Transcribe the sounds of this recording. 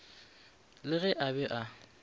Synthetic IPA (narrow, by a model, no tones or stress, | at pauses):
lɪɣɛʔabɛʔa